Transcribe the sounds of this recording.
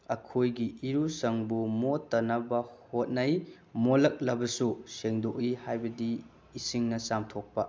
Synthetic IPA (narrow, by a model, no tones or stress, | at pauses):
ɐkʰojɡiʔiɾusɐŋbumotːɐnɐbɐhot̚nɐj | molɐk̚lɐbɐsuseŋdokihajbɐdiː | siŋnɐsamtʰok̚pɐ